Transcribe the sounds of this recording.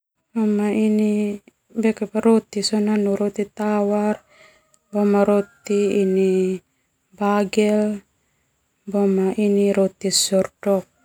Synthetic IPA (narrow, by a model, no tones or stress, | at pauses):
bomaini | bekepaɾot̪isonanuɾot̪it̪awar | bomaɾot̪iːni | baɡɛl | bomaʔiniɾot̪isɔrdɔk̚